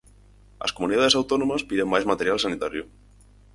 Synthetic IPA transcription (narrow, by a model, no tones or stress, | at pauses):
a̰skomuniðaðesawt̪ɔnomaspiɾemːajzmat̪eɾjalsanit̪aɾjo